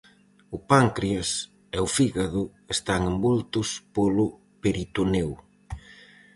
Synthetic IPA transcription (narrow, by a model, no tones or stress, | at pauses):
ʊpaŋkɾias | ɛʊfiɣaðʊ | est̪aŋembult̪ʊspolʊ | peɾit̪unew